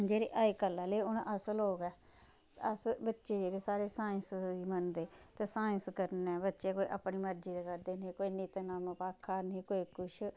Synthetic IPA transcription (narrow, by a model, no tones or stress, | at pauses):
d͡ʒeːɾḛːʔaːikəlːaːleːʊnʔəsəlɦoːɡɛː | əsbətːʃeːd͡ʒeːɾeːsaːɾeːsaːə̃nsimənd̪eːt̪eːsaːɪ̃nskəɾnɛːbətːʃekoːiʔə̰pniːməɾd͡ʒiːd̪aːkəɾd̪eːneːkoːiːniːt̪ːnaːmpaːkʰːaːnĩːkoːiːkʊʃʰ